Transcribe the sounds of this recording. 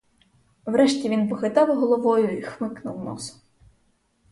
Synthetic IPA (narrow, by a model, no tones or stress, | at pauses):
wɾɛʃtʲiʋʲinpɔxɪt̪ɑwɦɔlˠɔʋɔjʊixmɪknʊ̰wnɔ̰sʊ̥